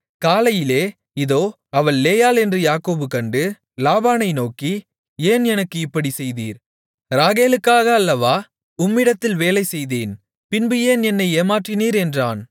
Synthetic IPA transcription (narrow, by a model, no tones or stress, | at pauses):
kaːlɐjɪleː | ɪðoː | ɐʋɐɭleːjaːlɛndrɯjaːkoːbɯkɐɳɖɯ | laːbaːnɐɪnoːki | eːnɛnɐkːɯɪpːɐɽisɛjðiːɾ | ɾaːɣeːlɯkːaːɣɐːlːɐʋaː | ʊmːɪɽɐt̪ːɪlʋeːlɐɪsɛjðeːn | pɪnbɪjeːnɛnːɐɪeːmaːʈrɪniːɾɛndraːn